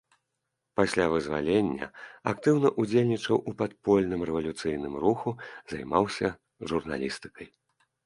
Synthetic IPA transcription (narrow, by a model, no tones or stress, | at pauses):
pasʲlʲavɨzva̰lʲenʲːɐ̰akt̪ɨwnɐʔud͡zʲelʲnʲit͡ʂɐwʔupat̪̚pɔlʲnɨmrɛvɐlʲut̪sɨjnɨmruxuzajmawsʲɐ | ʐurna̰lʲist̪ɨ̥kɐj